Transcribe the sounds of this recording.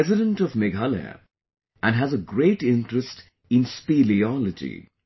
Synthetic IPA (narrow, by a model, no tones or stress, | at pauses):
ɛzɪɾə̃nʈɔvmɛɡalḛ | ʔæ̃nɦæzəɡɾeːʈɪ̃nʈɾəsʈ | ɪ̃nspiliɔləd͡ʒḭ